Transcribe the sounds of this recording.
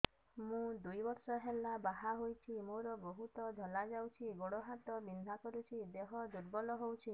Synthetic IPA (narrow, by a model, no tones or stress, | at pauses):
mũd̪ujbɔɾsɔɦelabaɦaɦojt͡ʃʰimoɾɔbɔɦut̪ɔd̪ʱɔlad͡ʒawt͡ʃʰiɡoɽɔɦat̪ɔbind̪ʱakɔɾut͡ʃʰid̪eɦɔd̪ʱuɾbɔlɔɦowt͡ʃʰi